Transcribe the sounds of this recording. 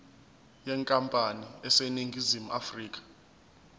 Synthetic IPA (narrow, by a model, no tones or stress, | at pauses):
jɛŋkʼampʼaniɛseniŋɡʱizimuafriːk̬ʼḁ